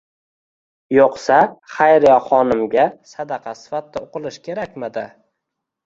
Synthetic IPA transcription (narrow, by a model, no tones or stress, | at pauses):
joqsaχajɾjɒχɒnɪmɡʲasad̪ɑqʰɑsɪ̥fat̪ːaoqɨlˠɪʃkʲʰe̞ɾakʲmɪd̪ɪ